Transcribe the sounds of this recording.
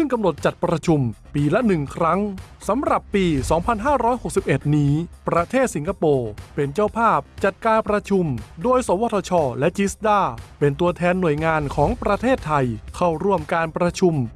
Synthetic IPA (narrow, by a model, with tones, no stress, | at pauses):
sɯ˥˩ŋka˧mno˨˩t̪̚t͡ɕa˨˩t̪̚pɾa˧t͡ɕʰu˧mpiː˧lɛ˦˥nɯ˨˩ŋkʰɾa˦˥ŋ | sa˩˦mɾa˨˩pːiː˧sɔː˩˦ŋpʰa˧nɦaː˥˩ɾɔː˦˥jho˨˩k̚si˨˩p̚ʔe˨˩t̪̚niː˦˥pɾa˧t̪ʰeː˥˩t̪̚si˩˦ŋkʰa˧poː˧pe˧nt͡ɕaː˥˩wpʰaː˥˩p̚t͡ɕa˨˩t̪̚kaː˧npɾa˧t͡ɕʰu˧mdoː˧jsoː˩˦wɔː˧˥t̪ʰɔ˧t͡ɕʰɔː˧lɛ˦˥t͡ɕi˦˥sd̪aː˥˩pe˧nt̪u˧ɐt̪ʰɛː˧nːu˨˩əjŋaː˧nkʰɔː˩˦ŋpɾa˧t̪ʰeː˥˩t̪ʰːa˧jkʰa˥˩wɾu˥˩əmkaː˧npɾa˧t͡ɕʰu˧m